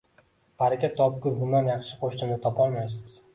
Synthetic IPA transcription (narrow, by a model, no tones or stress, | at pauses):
haɾakʲat̪ʰːɒp̚kʊɾbʊnd̪anjɑχʃɪqʰoʃt̪ɪmd̪ɪt̪ʰɒpɒlˠmajsɪz̥